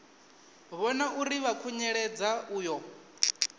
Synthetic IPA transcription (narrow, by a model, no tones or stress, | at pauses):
βɔnaʔuɾiβakʰuɲɛɺɛd͡zauːjɔ